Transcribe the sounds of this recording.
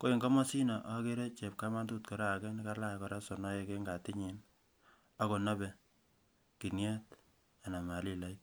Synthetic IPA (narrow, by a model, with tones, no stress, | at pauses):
ko˦i˨ŋɡɔ˦mɔ˦si˦nɔ˨ʔɔ˦ke˦ɾe˦t͡ʃe˨p̚ka˦ma˦ndu˦tkɔ˨ɾa˦a˨kɛ˦ni˦ka˦la˦kɔ˨ɾa˦sɔ˨nɔ˦je˨ke˦ŋɡa˨tɪ˦ɲi˨n | a˦ko˨na˦bɛ˨ | ki˨nje˦t | a˨na˨ma˨li˦la˨˦j